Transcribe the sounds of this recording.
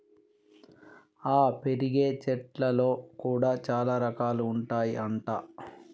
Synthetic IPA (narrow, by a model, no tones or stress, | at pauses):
aːpe̞ɾiɡe̞ːt͡ʃɛʈlɐlo̞ːkuːɽaːt͡ʃaːlaːɾɐkaːluːɳʈaːjiʔɐɳʈaː